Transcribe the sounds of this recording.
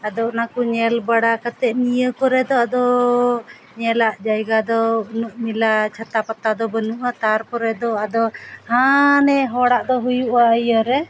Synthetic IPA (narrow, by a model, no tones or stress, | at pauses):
ad̪ɔnakuɲɛlbaɽakat̪ɛʔnijəkɔɾɛd̪ɔad̪ɔ | ɲɛlaʔd͡ʒajɡad̪ɔnuʔmilat͡ʃʰat̪apat̪ad̪ɔbənuʔat̪aɾpɔɾɛd̪ɔad̪ɔhanɛɦɔɽaʔd̪ɔɦujuʔaəjəɾɛ